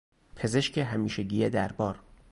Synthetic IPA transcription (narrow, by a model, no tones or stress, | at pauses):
pʰe̞zeʃcʰeɦæmiːʃeɟiːjed̪æɾbɒːɾ